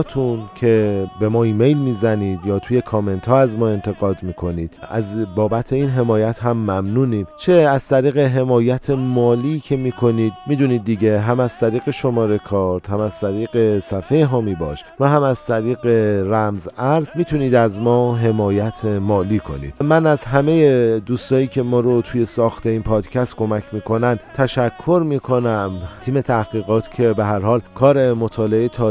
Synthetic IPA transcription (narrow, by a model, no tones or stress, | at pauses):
t̪ʰuncʰe̞be̞mɒːiːme̞jlmiːzæniːd̪jɒːt̪ʰuːje̞kʰɒme̞nt̪ʰhɒːæzmɒːe̞nt̪ʰe̞ɣɒːd̪miːkʰo̞niːd̪̥æ̰zbɒːbæt̪ʰe̞iːnɦe̞mɒːjæt̪ɦæmːæmnuːniːmt͡ʃʰeæz̥t̪ʰæɾiːɣe̞ɦe̞mɒːjæt̪ʰe̞mɒːliːcʰe̞miːkʰo̞niːd̪miːd̪uniːd̪̚ːiɟe̞ɦæmæz̥t̪ʰæɾiːɣe̞ʃo̞mɒːɾe̞kʰɒːɾt̪hæmæz̥t̪ʰæɾiːɣe̞sæfejeɦɒːmibɒ̰ːʃ | væɦæmæz̥t̪ʰæɾiːɣeɾæmzæɾzmiːt̪ʰuniːd̪æzmɒːɦe̞mɒːjæt̪ʰemɒːliːkʰo̞̰nḭd̪mænæzɦæme̞je̞d̪uːst̪ɒːjiːcʰe̞mɒːɾo̞t̪ʰuːje̞sɒːxt̪ʰe̞iːnpʰɒːd̪cʰæst̪̚kʰo̞mæcʰmiːkʰo̞nænd̪t̪ʰæʃækʰːo̞ɾmiːkʰo̞næmt̪ʰiːme̞t̪ʰæhɡiːɣɒːt̪ʰcʰe̞beɦæɾhɒːlkʰɒːɾe̞mot̪ʰɒːle̞et̪ʰɒː